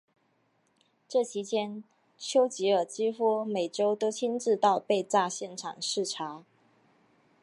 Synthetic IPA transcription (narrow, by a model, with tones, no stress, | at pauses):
ʈ͡ʂɤ˥˩t͡ɕʰi˧˥t͡ɕjɛ˥n | t͡ɕʰjo˥ʊt͡ɕi˧˥ə˞˨˩t͡ɕi˥fɔ˥me˨˩ɪʈ͡ʂo˥ʊt̪o˥ʊt͡ɕʰi˥nʈ͡ʂɻ̩˥˧t̪ɑ˥˧ʊpe˥˧ɪt͡sa˥˧ɕjɛ˥˩nʈ͡ʂʰɑ̰˨˩ŋʂɻ̩˥˩ʈ͡ʂʰa˧˥